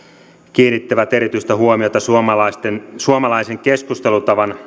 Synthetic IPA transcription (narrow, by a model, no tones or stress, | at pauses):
k̟iːnit̪ːæʋæt̪eɾit̪yjst̪æɦuomiot̪ɑsuomɑlɑst̪ensuomɑlɑise̞ŋke̞skust̪e̞lut̪ɑʋɑn